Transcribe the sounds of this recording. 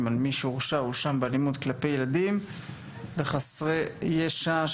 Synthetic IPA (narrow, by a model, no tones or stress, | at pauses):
malmiʃʁʃauʃambealimud̪klape̞je̞lad̪im | veχasʁejeʃa